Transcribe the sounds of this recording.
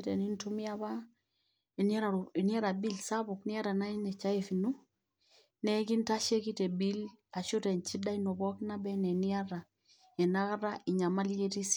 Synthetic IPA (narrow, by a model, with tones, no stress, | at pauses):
te˨ni˦ntu˦mi˦a˦βa˦ | e˨na˦ɾa˨e˨ni˦a˦ɾa˨bi˦lsa˦bu˨kni˦a˦ɾa˨na˦i˦nɛ˨t͡ʃa˦e˨fi˨nu˦ | nɛ˦ki˦nta˦ʃe˦ki˦te˨bi˦la˨ʃu˦tɛ˨nt͡ʃi˦da˦i˦no˨bɔ˦kna˦bɛ˦nɛ˨ni˦a˦ɾa˨ | ɛ˨na˦ka˦ɾa˦ʔi˨ɲa˨ma˦lje˦ti˦s